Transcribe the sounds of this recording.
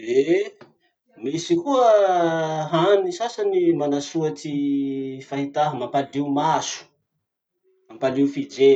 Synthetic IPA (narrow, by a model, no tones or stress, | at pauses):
e | misikuə | ɦanisasanimanasuati | faɦit̪aɦmampaliumasu̥ | mampaliwfid͡ʒe